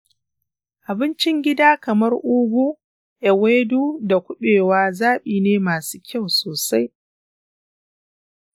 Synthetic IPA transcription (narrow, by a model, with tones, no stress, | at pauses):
ʔa˨bɪ˦nt͡ʃɪ˦ŋɡʲɪ˦daː˦kɐ˨mɐ˦rʔʊ˦ɡʷuː˦ | ʔɛ˨weː˦duː˦da˨kʷʊ˦ɓeː˨waː˦zaː˦ɓiː˨neː˦maː˨su̥ː˦kʲa˦˨wsoː˨sa˦j